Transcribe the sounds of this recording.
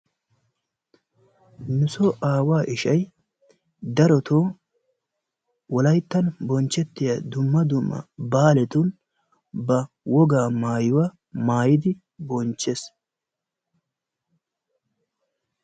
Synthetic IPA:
mʊsɔʔaːwaːʔɪʃɐj | d̪ɐɾɔt̪ʰoː | wɔlɐjt̪ːɐnbɔnt͡ʃːɛt̪ːɪjad̪ʊmːɐd̪ʊmːɐ̰baːlɛt̪ʊn | bɐ | wɔɡaːmaːjʊwa | maːjɪd̪ɪ | bɔnt͡ʃːes

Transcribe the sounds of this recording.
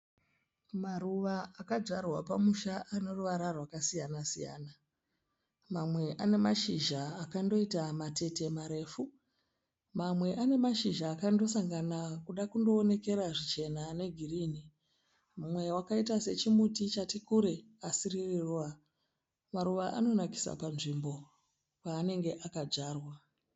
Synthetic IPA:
maɾuʋaakad͡ʐarwapamuʃaaneruʋaɾarwakasijanasija̰ːna | mamwe̞ʔane̞maʃiʒaːkando̞itamate̞te̞maɾe̞ːfu | mamwe̞ʔane̞maʃiʒaːkando̞saŋɡanakuɗakundo̞ːne̞ke̞ɾaʐit͡ʃe̞nane̞ɡʱiriːni | mumwe̞wakaitase̞t͡ʃimutit͡ʃatikuɾe̞ | asiririruwa | maɾuʋaʔano̞naki̥sa̰panʐimbo̞ | paːne̞ŋɡe̞ʔakad͡ʒaːrwa

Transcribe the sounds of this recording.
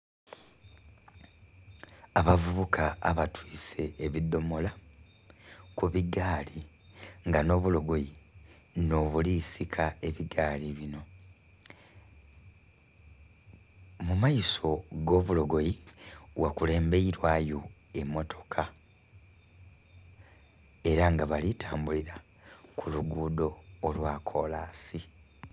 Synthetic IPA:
aβavuβukʰa̰ːβatʰwiːse̞ːβid̪ːo̞mo̞la | kuβiɡaːli | ŋɡano̞ːβulo̞ɡo̞ji | no̞ːβulisikʰae̞βiɡaːliβino̞ | mumajiso̞ɡo̞βulo̞ɡo̞jiwakule̞ːmbe̞iɾwaːjo | e̞mːo̞tʰo̞̥kʰa | e̞ɾaŋɡaβalitʰaːmbuliɾa | kʰuluɡuːdo̞ːlwaːkʰo̞laːsi

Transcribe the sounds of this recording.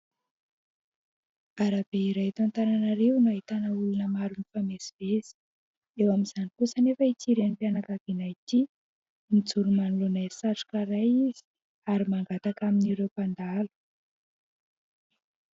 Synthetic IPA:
aɾabeiɾajt̪ant̪aɾanaɾewnaɦit̪anaulunəmaɾunifameziv̥ezi̥ | ewamiz̥anikusanefəit͡siɾenipianakaɡinajt̪i | mid͡zuɾumanulonajsaʈ͡ʂu̥kaɾajiz̥i̥ | aɾimaŋɡat̪akaminiɾewpand̪alu̥

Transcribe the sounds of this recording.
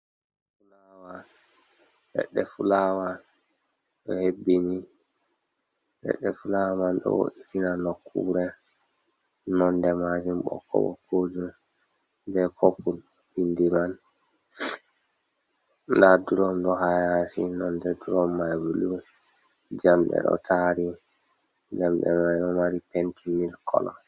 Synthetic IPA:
fulawa | lɛ̰ɗːɛfulawa | ɗɔ̰hebːini | ɗɛ̰ɗːɛfulawamanɗɔ̰wo̰ʔitʰinanokʰːṵɾɛ | nɔndɛmad͡ʒumɓɔ̰kːɔ̰wɔ̰kʰod͡ʒum | bɛkʰopːul | bindiman | ndaduɾɔmɗɔɦajasinɔndɛduɾɔmːajbulu | d͡ʒamɗɛ̰ɗɔ̰tʰaɾi | d͡ʒamɗɛ̰mad͡ʒɔmaɾipentʰimilkʰɔ̰lɔ̰

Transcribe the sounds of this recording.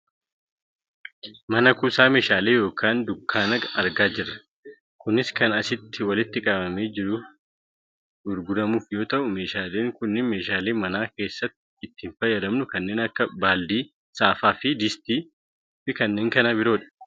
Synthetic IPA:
mɐnɐkuːsaːme̞ːʃaːle̞ːjo̞ːkʰaːnd̪ʊkːaːnɐɡɐɾɡaːd͡ʒɪrːɐ̥ | kʊnɪskɐnɐsɪt̪ːɪwɐlɪt̪ːɪkʼɐbɐme̞ːd͡ʒɪɾʊ | dʊɾɡʊd̪ɐmuːfjo̞ːt̪ɐʔʊme̞ːʃaːle̞ːŋkʊnːɪme̞ːʃaːle̞ːmɐnaːke̞ːsːɐt̪ːɪ̥ːt̪ːɪnfɐjːɐɾɐmnʊkɐnːe̞ːnɐkːɐbaːld̪iː | saːfaːfɪd̪ɪst̪iː | fɪkɐnːe̞ːŋkɐnɐbɪɾo̞ːᶑɐ̥

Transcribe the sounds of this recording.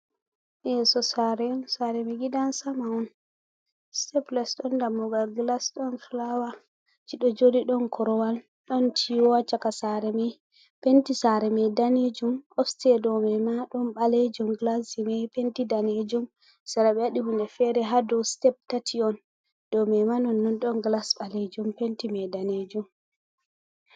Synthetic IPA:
ʔɛsɔsaɾɛɔnsaɾɛmɛɡidansamaɔn | stɛplasɗɔndamːɔɡalɡlasɗɔnflawa | t͡ʃiɗɔd͡ʒodiɗɔnkʰɔɾɔwal | ɗɔntʰiwɔwat͡ʃakasaɾɛmɛj | pentisaɾɛmɛdaned͡ʒumɔfstɛdɔmɛmaɗɔnɓaled͡ʒumɡlasimɛpentidaned͡ʒum | saɾaɓɛaɗihundɛfɛɾɛɦadɔstɛp̚tatʰiɔn | d̥ɔmɛmanɔnːɔnɗɔnɡlasɓaled͡ʒumpentimɛdaned͡ʒum

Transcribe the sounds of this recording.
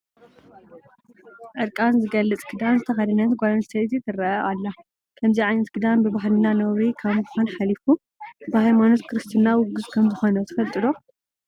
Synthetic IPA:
ʔɨɾkʼanzɨɡɐlːɨt͡sʼɡɨd̪anzɨt̪ʰɐxɐd̪ɐnɐt̪ɡʷad̪anst̪ʰet̪it̪ʰɨrɐʔɐʔalːa | kʰɐmziʕajnɐt̪kʰɨd̪anbɨβaɦlɨnanɐwɾikʰaβmɨbxanħalifu | bɨhajmanot̪kʰɨɾɨst̪ʰɨnawʊɡɨzkʰɐmzɨxonɐt̪ʰɨfɐlt̪ʼɨd̪o

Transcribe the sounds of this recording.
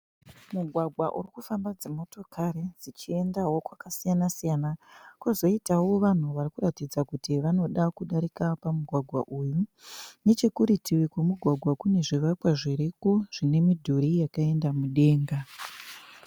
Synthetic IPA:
muɡʱwaɡʱwaʔṵrikufambad͡zemo̞to̞kʰaɾid͡zit͡ʃie̞ndawo̞kwakasijanasijanakuzo̞itawo̞ʋan̤uʋarikuratid͡zakutiʋano̞ɗakuɗaɾikapamuɡʱwaɡʱwa̰ʔujune̞t͡ʃe̞kuɾitʰiwikwemuɡʱwaɡʱwakune̞ʐiʋakwaʐiɾikoʐ̥ine̞midʱoɾijakae̞ndamuɗe̞ːŋɡa

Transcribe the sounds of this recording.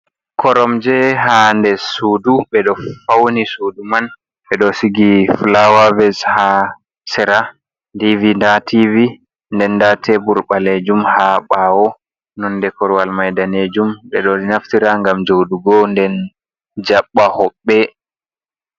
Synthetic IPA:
kʰɔɾɔmd͡ʒɛɦandɛsuduɓɛɗɔfawnisuduman | ɓɛɗɔsiɡiflawavɛsha | sɛɾa | ndivindativi | ndɛnːdatʰɛbuɾɓaled͡ʒumhaɓawɔ | nɔnːdɛkɔɾwalmajdaned͡ʒumɓɛɗɔinaftiɾaŋɡamd͡ʒowduɡɔndɛn | d͡ʒaɓːahɔɓːɛ

